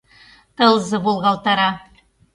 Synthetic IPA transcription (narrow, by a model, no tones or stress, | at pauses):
t̪ɤ̆lˠzɤbolˠʁɑlˠt̪ɑɾɑ